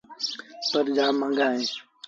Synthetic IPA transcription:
pəɾd͡ʒaːmə̃ŋɡʱaːɦẽː

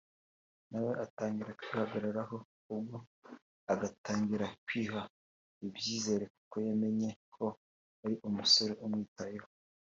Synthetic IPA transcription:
nawe̞ʔataːŋɡiɾakwiːhaɡaɾaɾaho̞ | ubɡo | aɡataːŋɡiɾakwiːha | ibjiːze̞ːɾe̞kukojeme̞ɲe̞kʰo̞ | aɾiʔumuso̞ɾe̞ʔumŋiːtajeho

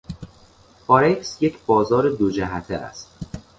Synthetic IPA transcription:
bɒɾeksjecʰbɒːzɒːɾe̞d̪od͡ʒæɦæt̪ʰeæ̰st̪

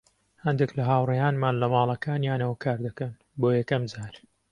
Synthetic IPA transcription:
hɐnd̪eklɐɦaːwrɐjaːnmaːnlɐmɑːlˠɐkaːnjaːnɐwɐkʰaːɾd̪ɐkɐn | boːjɛkɐmd͡zaːɾ

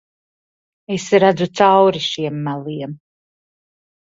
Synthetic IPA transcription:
esɾad̪zut̪sawɾiʃiɛmːælˠiɛm

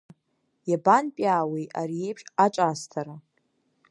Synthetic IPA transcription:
jabanpʼaːwejʔaɾie̞jpʰʂʼaʈ͡ʂʼaːstʰaɾa

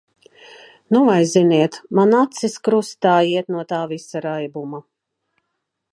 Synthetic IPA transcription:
nuvajziniɛt̪manat̪siskɾust̪aːjiɛt̪nuɔt̪aːvisaɾajbuma

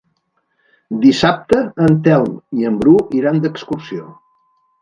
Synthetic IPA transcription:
d̪isap̚t̪əːnt̪ɛlˠmiəmbɾuʔiɾand̪əkskuɾsio

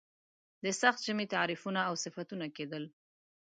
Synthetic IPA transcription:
d̪əsaxt̪̚ʒ̥əmet̪aɾifunaːwsɪfat̪unaked̪əl

